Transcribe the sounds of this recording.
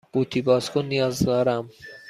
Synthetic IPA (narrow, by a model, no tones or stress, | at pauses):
ɡ̥ut̪ʰibɒːskonːijɒːzd̪ɒːɾæm